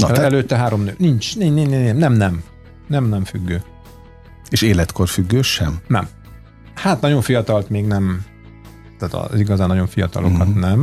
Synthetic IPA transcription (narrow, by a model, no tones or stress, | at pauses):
nɒɛløːt̪ːɛɦaːɾo̞mnøːnint͡ʃniniɛmnɛmnɛm | nɛmnɛɱfyɡːøː | eːʃeːlɛt̪kʰo̞rfyɡːøːʃɛmnɛ̰m | hat̪nɒɟo̞ɱfijɒt̪ɒlt̪meːɡnɛm | t̪aːt̪ɒ̰ziɡɒzaːnːɒjo̞ɱfijɒt̪ɒ̰lʔo̞̰kɒt̪nɛm